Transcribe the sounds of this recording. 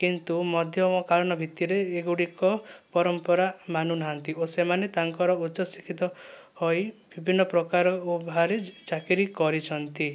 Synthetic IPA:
kint̪umɔd̪ʱjɔmɔkaɭɔɽ̃ɔbʱit̪ːiɾeːɡuɽikɔpɔɾɔmpɔɾamanunaɦant̪iosemanet̪aŋkɔɾɔut͡ʃɔsikʰit̪ɔ | hojbibʱinːɔpɾɔkaɾɔubʱaɾet͡ʃakiɾikɔɾit͡ʃʰɔnt̪i

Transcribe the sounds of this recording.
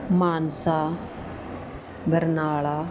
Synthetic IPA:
maːnsa | bʱəɾnaːɭaː

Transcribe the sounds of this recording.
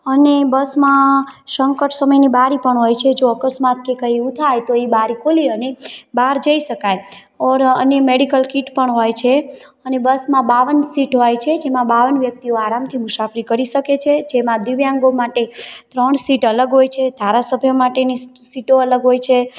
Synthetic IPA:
ənebəsmãʃəŋkəʈsəməjnibaɾipəɳɦojt͡ʃʰed͡ʒoəkəsmat̪̚kekəiut̪ʰajt̪oeibaɾikʰoliənebaɾd͡ʒəiʃəkaj | ɔɾənjəmeɽikəlkiʈpəɳɦojt͡ʃʰe | ənebəsmãbaʋənsiʈɦojt͡ʃʰed͡ʒemãbaʋənʋjək̚t̪ioaɾamt̪ʰimuʃapɾikəɾiʃəket͡ʃʰed͡ʒemãd̪iʋjãŋɡomaʈet̪ɾəɳsiʈələɡɦojt͡ʃʰed̪ʱaɾasəbʱjəmaʈeni | siʈoələɡɦojt͡ʃʰe

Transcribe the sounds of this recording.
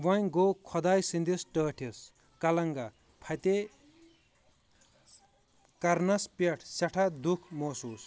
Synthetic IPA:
ʋʌjɡokʰʌd̪ajsind̪isʈʌːʈʰes | kalɐŋɡa | pʰajt̪e | karnɐspeʈʰseʈʰad̪ukʰmɔsus

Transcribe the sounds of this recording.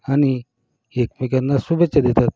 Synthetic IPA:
añi | ek̚mekanːasubet͡ɕːad̪et̪at̪̚

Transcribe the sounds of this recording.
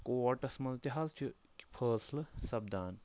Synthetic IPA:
koːʈɐsmɐlt̪iɦaːzt͡ʃʰi | kpʰəːslsɐb̚d̪aːn

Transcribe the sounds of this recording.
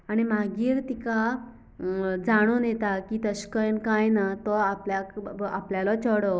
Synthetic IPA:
aɽ̃imaɡiːɾt̪ika | d͡zaɽ̃onjɛt̪akit̪əɕkəjnkajnat̪ɔapljakapljalɔt͡ɕɔɽɔ

